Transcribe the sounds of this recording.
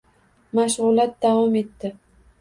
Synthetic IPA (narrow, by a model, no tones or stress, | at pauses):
maʃʁʊlˠat̪̚d̪avɒme̞t̪ːɪ